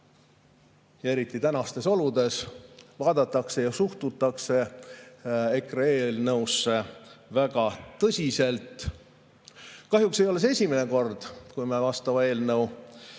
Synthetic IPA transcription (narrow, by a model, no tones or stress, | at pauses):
jɑe̞ɾit̪ːˑit̪ænɑst̪e̞so̞lud̪̥e̞svɑːd̪ɑt̪ːˑɑkse̞jɑsuht̪ut̪ːˑɑkse̞ | ekrɑe̞ːlnɤwsːe̞væɡ̥ɑt̪ɤsʲise̞lt̪ˑ | kɑɦjukse̞jo̞les̬e̞sʲimine̞ko̞rd̪̥kujmevɑst̪ɑmɑe̞ːlnɤw